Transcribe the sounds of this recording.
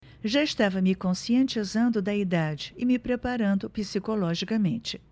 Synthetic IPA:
ʒaɪst̪avɐmɪkõsiẽnt͡ʃizɐ̃nd̪ʊd̪ɐid̪ad͡ʒɪɪmɪpɾepaɾɐ̃nd̪ʊpisikolɔʒikɐmẽnt͡ʃɪ̥

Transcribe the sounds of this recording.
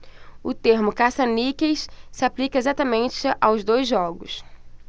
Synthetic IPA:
ʊt̪eɾmʊkasɐnikejssɪaplikɐezat̪ɐmẽnt͡ʃɪʔawzd̪ojzːɔɡʊs

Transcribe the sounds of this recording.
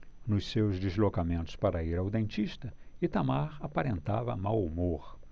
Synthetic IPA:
nʊssewzd̪izlokamẽnt̪ʊ̥spaɾɐiɾawd̪ẽnt͡ʃ̪iʃt̪ɐɪt̪amaɾapaɾẽnt̪avɐ̰mawmoɾ

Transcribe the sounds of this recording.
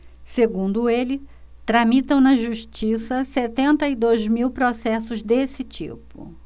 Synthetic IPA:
seɡũnd̪ʊelɪt̪ɾɐmit̪ɐ̃w̃nɐʒuʃt͡ʃisɐset̪ẽnt̪ɐid̪ojzmiwpɾosɛsʊzd̪esɪt͡ʃḭpʊ̰

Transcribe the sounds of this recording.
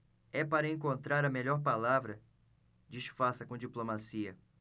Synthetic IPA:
ɛpaɾɐẽŋkõnt̪ɾaɾɐmeʎɔɾpalavɾɐ | d͡ʒiʃfasɐkõd͡ʒiplomasiɐ

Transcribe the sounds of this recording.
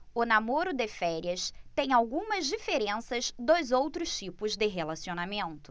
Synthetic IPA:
ʊnamoɾʊd̪ɪfɛɾiɐst̪ẽj̃awɡũmɐzd͡ʒifeɾẽsɐzd̪ojzowt̪ɾʊʃt͡ʃipʊzd̪ɪɦelasionamẽnt̪ʊ̥

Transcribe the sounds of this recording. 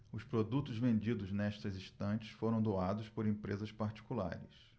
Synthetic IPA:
ʊspɾod̪ut̪ʊzvẽnd͡ʒid̪ʊznɛʃt̪ɐzist̪ɐ̃t͡ʃɪ̥sfoɾɐ̃w̃d̪oad̪ʊspoɾẽmpɾezɐspaɾt͡ʃi̥kula̰ɾɪs

